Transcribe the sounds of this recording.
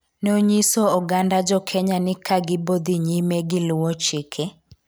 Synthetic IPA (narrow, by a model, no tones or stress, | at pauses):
noɲisoɔɡandad͡ʒɔkʰɛɲanɪkʰaɡɪbod̪iɲimeɡɪlʊwɔt͡ʃɪkʰɛ